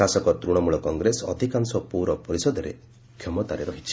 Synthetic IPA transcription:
asɔkɔt̪ɾuɽ̃ɔmuɭɔkɔŋɡɾesɔɔd̪ʱikaŋsɔpuɾɔpɔɾisɔd̪ɔɾḛ | kʰjɔmɔt̪aɾeɾɔɦit͡ʃʰi̥

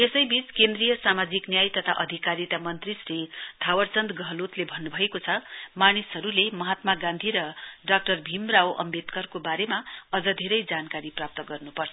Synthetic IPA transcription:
esʌjbit͡skend̪rijʌsamad͡ziknjajt̪ʌt̪ʰa̰ʔʌd̪ʱikaɾit̪amʌnt̪risrit̪ʰawʌrt͡sʌnd̪ɡʌɦlot̪lebʱʌnːubʱʌekot͡sʰʌmanisɦʌɾulemʌɦat̪maɡãnd̪ʱiɾʌɖak̚ʈʌrbʱimrawʔʌ̰mbet̪kʌrkobaɾemaʌd͡zʌd̪ʱeɾʌjd͡zankaɾiprap̚t̪ʌɡʌrnupʌrt͡sʰ

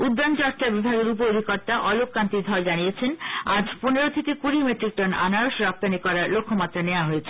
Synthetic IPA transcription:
ud̪ːant͡ɕɔkt͡ɕaɾbibʱaɡeɾup̬ood̪ʱikɔɾt̪aʔɔlokːant̪id̪ʱɔɾd͡ʑanijet͡ɕʰenad͡ʑpuneɾot̪ʰekekuɾimeʈɾik̚ʈɔna̰naɾoʃɾɔp̚t̪anikɔɾaɾlokʰːomat̪ːɾaneoaɦojet͡ɕʰe

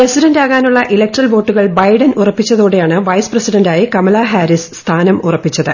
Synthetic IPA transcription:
presiɾɐndaːɣaːnuɭːɐʔilek̚ʈrɐlʋo̞ːʈːuɣɐɭbɐjɖɐnurɐpːit͡ɕːɐðoːɽejaːɳɨʋɐjsprɐsiɖɐndaːjikɐmɐlɐɦaːɾisst̪ʰaːnɐmurɐpːit͡ɕːɐðɨ

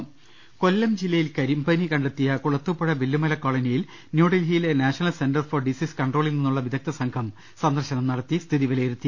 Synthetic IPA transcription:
ko̞lːɐmd͡ʑilːɐjilkɐɾimbɐnikɐɳɖet̪ːijɐkuɭɐt̪ːupːɐɻɐʋilːumɐlɐkːoːɭɐnijil | njuːɽilɦijlenaːʂɐnɐlsenɖɐrfɐrɖisiskɐɳɖroːɭilninːuɭːɐʋid̪ðɐk̚t̪ɐsɐŋkʰɐm | sɐnd̪ɐrɕɐnɐmnɐɽɐt̪ːist̪ʰiðiʋɐlejiɾut̪ːi

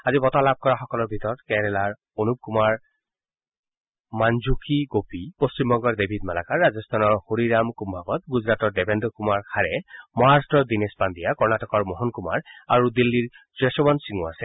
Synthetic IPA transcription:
azibɔtalab̚kɔɹaxɔkɔlɔɹbʱitɔɹɔtkɛɾɛlaɹ | onup̚kumaɹ | manzukiɡopipost͡ʃimbɔŋɡɔɹdebʱidmala̰kaɹːazɔst̪ʰanɔɹhoɹiɹamkumbʱabɔt̪̚ɡuzɹatɔɹdɛbʱeɛndɔkumaɹkʰaɹɛmɔaɹstɔɹdinespandijakɔɹnatɔkɔɹmɔɦɔnkuma̰ɹa̰ɹudilːiɹ | dɹɛsɔbɔnsiŋua̰sɛ

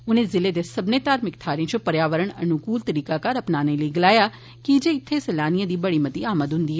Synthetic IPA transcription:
ʊnẽːzɪleːd̪eːsɐbneːt̪aːɾmɪkt̪ʰaːɾẽt͡ʃopəɾjaːʋəɾəɳ̃ɐ̰nʊkuːlt̪əɾiːkakəɾɐpnaːnẽləiɡɪlaːjaː | kid͡ʒeɪt̪ʰːesɛlaːnijãːd̪iːbəɽiːmət̪iaːməd̪ɦʊ̃nd̪iːɦɛː

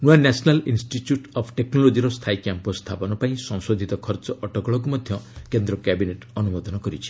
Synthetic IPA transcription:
nuanasnalinsʈiʈjuʈɔpʰʈeknɔlod͡ʒiɾɔst̪ʰajkjampɔst̪ʰapɔnɔpaĩsɔ̃ŋsod̪ʱit̪ɔkʰɔɾt͡ʃɔʔɔʈɔkɔɭɔkumɔd̪ʱjɔkend̪ɾɔkabineʈɔnumɔd̪ɔnɔkɔɾit͡ʃʰi̥

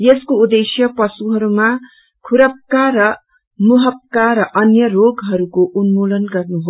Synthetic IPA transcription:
jeskoud̪esjʌpʌsuɦʌɾuma | kʰuɾʌp̚karʌ | muɦʌp̚kaɾʌʔʌnjʌroɡɦʌɾukoʔunmulʌnɡʌrnuɦo

